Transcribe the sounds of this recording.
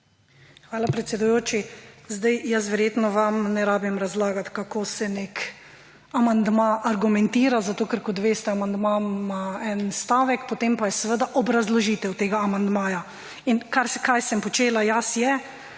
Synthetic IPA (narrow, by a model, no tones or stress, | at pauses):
xʋaːlapɾɛt̪sʲɛd̪ujoːt͡ʃizd̪ajjas̬ʋɛɾjeːt̪nɔʋamnɛɾaːbimɾazlaːɡat̪kakoːsɛnek | amand̪maʔaɾɡumɛ̃nt̪iːɾazat̪oːkəɾkɔt̪ʋeːst̪ɛamand̪mamaɛnst̪aːʋɛkpɔt̪empajɛsɛʋəd̪aʔɔbɾazlɔʒiːt̪ɛwt̪eːɡaːmand̪maːja | inkaɾskajsɛmpɔt͡ʃeːlajasjɛ